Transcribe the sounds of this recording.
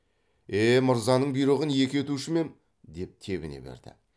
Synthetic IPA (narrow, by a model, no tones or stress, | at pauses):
eməɾzɑnəɴbijɾəʁənje̞kʲe̞t̪uʃɪme̞n | d̪e̞p̚t̪ʰe̞βɪ̰nḛbḛɾd̪ɪ̰